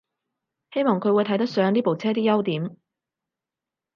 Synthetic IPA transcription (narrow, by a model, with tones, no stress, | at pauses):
he˥jmɔː˨ŋkʰɵ˨˧wːjt̪ʰɐ˨˥jt̪ɐ˥k̚sœː˨˧ŋniː˥po˨wt͡sʰɛː˥t̪̬iː˥jɐ˥wt̪iː˨˥m